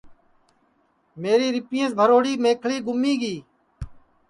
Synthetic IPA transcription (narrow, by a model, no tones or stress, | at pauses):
meːɾiːɾɪpɪjẽːsbʱəɾoːɽiːmẽːkʰɭiːɡʊmiːɡiː